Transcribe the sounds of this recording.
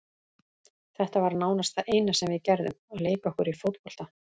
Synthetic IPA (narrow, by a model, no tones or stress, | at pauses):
θɛht̪avaɾnaːwnast̪θaʔejnasɛmvɪðcɛɾðʏ̰mɔɣleːjkɔhkʏɾifowt̪̚pɔl̥t̪a